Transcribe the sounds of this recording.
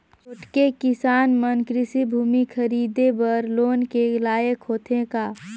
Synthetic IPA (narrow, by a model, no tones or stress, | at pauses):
t͡ʃʊʈkekɪsaːnmənkɾɪsibʱuːmikʰɐɾiːd̪ebəɾloːnkelaːjəkɦoːt̪ʰẽkaː